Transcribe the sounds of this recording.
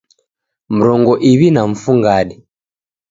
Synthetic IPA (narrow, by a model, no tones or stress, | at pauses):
m̩ɾɔŋɡɔʔiβinaɱ̩fuŋɡaɗɛ